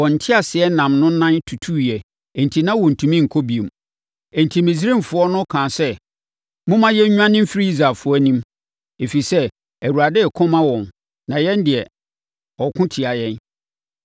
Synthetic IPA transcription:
wɔ̃˨n̩˨tʰɪ˦a˨sɪ˨ɛ˦nã˨mnʊ̃˦nã˦ntʰu˨tʰu˦jɛ˨ | ɛ˨n̩˨tʰi˨nã˦wɔ˨n̩˨tʰũ˨mĩ˦˨ŋ̩˨kʰɔ˦bi˨e˨m | ɛ̃˨n˨tʰi˨mĩ˨s̬ɾi˦˨mfʊ˨˦ɔ˦nʊ̃˦kʰãː˨sɛ˦ | mʊ̃˦mã˦jɛ˦ɲᶣũ˦ã˦nɪ̃˦m̩˦fi˦i˦i˦zɾa˨fʊ˨˦ɔ˦nĩ˦m | e˨fi˨sɛ˦ | æ˨wu˨ɾa˨dɛ˦˨kʰɔ̃˦mã˦wɔ̃˨n | nã˨jɛ̃˦n˦dɪ˨ɛ˨ | ɔ˨kʰʊ̃˦tʰɪ˨a˨jɛ̃˦n

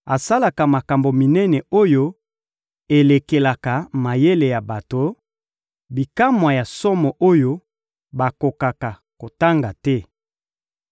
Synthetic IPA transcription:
a˨sa˦la˨ka˨ma˨ka˨mbo˨mi˨nɛ˦nɛ˨o˦jo˦ | e˨le˨ke˨la˨ka˨ma˨je˦le˨ja˨ba˨to˨ | bi˨ka˦mwa˨ja˨sɔ˦mɔ˨ʔo˦jo˦ | ba˨ko˨ka˨ka˨ | ko˨ta˦ŋɡa˨tɛ˦

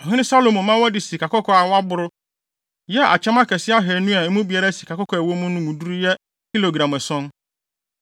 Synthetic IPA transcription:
ɔ˨ɦɪ̃˦nɪ̃˦sa˦lo˨mʊ̃˨mã˦wɔ˦dɪ˨si˨ka˨kɔ˦kʰɔ˦a˨wa˦bʊ˦ɾʊ˦ | jɛ˦a̰˨t͡ɕʰɛ̃˦mã˦kʰɛ˨sɪ˦a˦ɦɛ˨nũ˦a˨ẽ˦mũ˦bi˨a˨ɾa˦si˨kʰa˨kɔ˦kʰɔ˨wo˦mʊ̃˦nʊ̃˦ŋũ˨du˦ɾu˦jɛ˦ | ki˦lo˨ɡɾã˨mɛ˨sɔ̃˦n

